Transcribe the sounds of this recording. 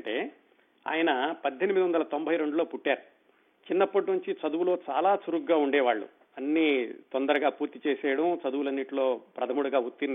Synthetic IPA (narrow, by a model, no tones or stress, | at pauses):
ɳʈeː | a̰ːjɐnɐpɐd̪ʱːenimid̪iʋɐnd̪ɐlɐt̪o̞mbʱɐjɾe̞ɳɖulo̞ːpuʈːaːɾu | t͡ʃinːɐpːɐʈ̬nuɲt͡ʃit͡ʃɐd̪uʋulo̞ːt͡ʃa̰ːlaːsuɾuɡːaːuɳɖɛːʋaːɭːṵ | ɐnːiːt̪ond̪ɐɾɐɡaːpuːɾt̪it͡ʃeːsɛːɽɐmt͡ʃɐd̪uwulɐnːiʈlo̞ːpɾɐd̪ʱɐmuɽuɡaːut̪ːin